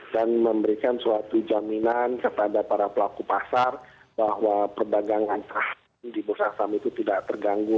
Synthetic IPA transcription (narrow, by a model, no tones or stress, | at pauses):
danməmbəɾikansuat̪ud͡ʒaminankat̪adapaɾapəlakupasar | bahwapərdaɡaŋant̪əɾah | ndibusasamit̪ut̪idaʔt̪ərɡaŋɡu